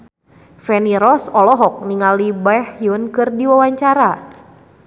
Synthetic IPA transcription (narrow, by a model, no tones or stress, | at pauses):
fɛniɾɔsɔlɔɦɔk̚niŋalibahjʊnkɨrdiwawaɲt͡ʃaɾa